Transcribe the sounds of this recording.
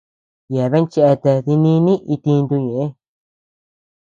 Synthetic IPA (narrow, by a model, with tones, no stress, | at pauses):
ja˨βe˦nt͡ʃe˧ʔe˧t̪e˧ði˧nĩ˧˦nĩ˦ʔi˧t̪ĩ˧nd̪u˧ɲẽ˨ʔe˦